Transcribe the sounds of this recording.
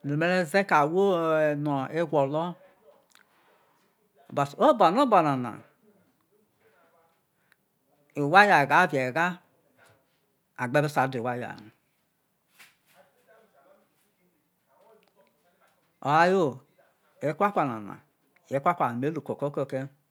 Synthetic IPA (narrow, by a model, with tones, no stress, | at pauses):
nu˨me˦ɾe˦ze˦ka˨wo˦˨nɔ˨e˦ɡʷo˨lɔ˦˨ | ba˨so˦ba˨no˦ba˨na˨na̰˨ | e˨wa˦ja˨ɡa˨˦vje˨ɡa˦ | a˨ɡ͡be˦be˦sa˨˦de˨wa˦ja̰˨n˨ | o˨ɾa˦jo˦ | e˨˦kʷa˦kʷa˨na̰˨na̰˨ | je˨˦kʷa˦kʷa˨me˨˦lu˨ko˨ko˦ko˦˨ke˦